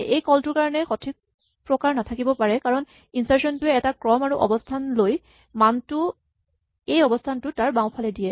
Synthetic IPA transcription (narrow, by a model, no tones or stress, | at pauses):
ejkɔltʊɹkaɹɔnɛxɔtʰik̚ | pɹɔkaɹnatʰakibɔpaɹɛkaɹɔn | insaɹsɔntʊɛɛtakɹɔmaɹuʔɔ̰bɔstʰanloj | mantʊ | ejɔbɔstʰantʊtaɹbaw̃pʰalɛdijɛ